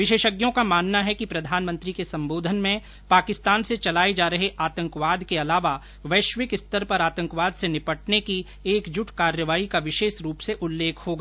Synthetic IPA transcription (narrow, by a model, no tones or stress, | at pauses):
ʋɪʃeːʃəɡjõkamaːnːaɦɛkipɾɐd̪ʱaːnmə̃nt̪ɾikesɐ̃mboːd̪ʱənmẽ | paːkɪst̪aːnset͡ʃɐlaːed͡ʒaːɾɐɦeʔaːt̪ə̃ŋkʋaːd̪keɐlaːʋa | ʋɐːʃʋɪkɪst̪əɾpɐɾaːt̪ə̃ŋkʋaːd̪senɪpəʈneki | eːkd͡ʒʊʈʰkaːɾjəʋaːikaʋɪʃeːʃɾuːpseʔʊlːeːkʰɦoɡaː